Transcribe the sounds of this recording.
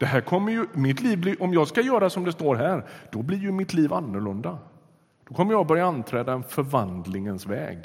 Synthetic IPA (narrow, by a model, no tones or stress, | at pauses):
d̪̥ɛɦæːɾkʰɔmːəɾjɵmɪt̪liːvblɪʔɔmjɑːɡskajœːɾasɔmd̪ɛst̪oːɾɦæːɾd̪̥ɔblɪɾjɵmɪt̪ʰliːvanːʊɭɵnd̪a | d̪̥ɔkʰɔmːəjɑbœɾjaant̪ʰɾɛːd̪aɛnfœɾvand̪lɪŋənsvɛ̰ːɡ